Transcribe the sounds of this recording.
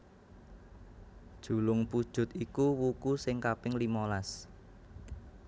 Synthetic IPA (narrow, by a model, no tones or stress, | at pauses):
d̥ʒ̥ṳlʊŋpud̥ʒ̥ʊ̤t̪ikuwukusɪŋkapɪŋlimolas